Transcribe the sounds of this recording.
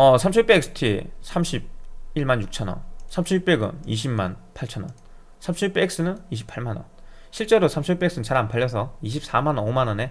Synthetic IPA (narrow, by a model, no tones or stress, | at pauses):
ʌsʰamt͡ɕʰup͈eːk̚s͈ʰɯ̥tʰisʰamɕʰib̚iɭmanjuk̚t͡ɕʰʌnʌ̰nsʰamt͡ɕʰip͈eɡɯ̰niɕʰimmanpʰaɭt͡ɕʰʌnʌ̰n | sʰamt͡ɕʰup͈eek̚s͈ɯnɯniɕʰi̥pʰaɭmanʌ̰n | ɕʰiɭt͡ɕ͈e̞ɾosʰamɕʰip͈eks͈ɯnt͡ɕaɾanpʰaʎːjʌs̬ʰʌiɕ̬ʰip̚s͈amanʌnomanʌne̞